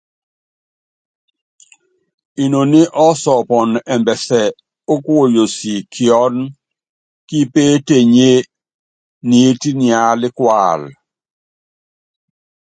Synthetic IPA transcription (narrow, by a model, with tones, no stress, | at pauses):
i˨no˨nɪ˦ʔɔ˦sɔ˨pɔ˨nɛ˨mbɛ˨sɛ˨ | o˦kwo˦˨jo˨si˨kʰɪ˨ɔ˦n | ki˦pe˦te˦˨ɲe˦ | ni˨˦ti˦nɪ˨a˦lɪ˦kwa˨l